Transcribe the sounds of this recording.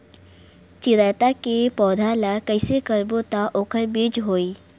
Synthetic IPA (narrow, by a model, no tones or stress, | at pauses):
t͡ʃɪɾaːjt̪akepɔːd̪ʱalakəɪsekəɾbot̪aʔoːkʰəɾbid͡ʒɦoːiː